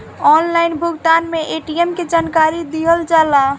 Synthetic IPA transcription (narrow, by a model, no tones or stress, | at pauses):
ɔnlaɪnbʱuɡt̪anmeʔeʈiemked͡ʒankaɾid̪iɦəld͡ʒala